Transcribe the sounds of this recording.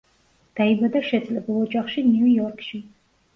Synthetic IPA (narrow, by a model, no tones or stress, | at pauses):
d̪̥aibad̪ɐʃɛt̪ʼlɛbɨlˠɔd͡ʒʼaχʃinujɔrkʰʼʃi